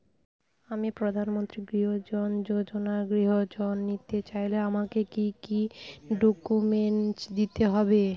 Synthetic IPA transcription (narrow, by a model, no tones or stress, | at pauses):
amipɾod̪ʱanmont̪ɾiɡɾiɦod͡ʑond͡ʑod͡ʑonaɡɾiɦod͡ʑonːit̪et͡ɕajleamakekikiɖokumenʈd̪it̪eɦɔbe